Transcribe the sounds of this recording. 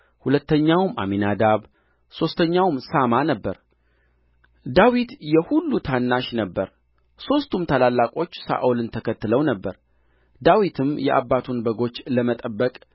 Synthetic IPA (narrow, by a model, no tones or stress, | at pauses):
hulət̪ːəɲːawmʔa̰minad̪aβ | so̞st̪ʰəɲːawmsamanəbːəɾ | d̪awit̪jɛhulːut̪ʰanːaʃnəbːəɾ | so̞st̪ʰumt̪ʰalalːakʼo̞t͡ʃːsa̰ʔulɨnt̪ʰəkʰət̪ːɨləwnəbːəɾ | d̪awit̪ʰɨmjɛ̰ʔa̰bːat̪ʰunbəɡo̞t͡ʃːləmət̪ʼəbːəkʼ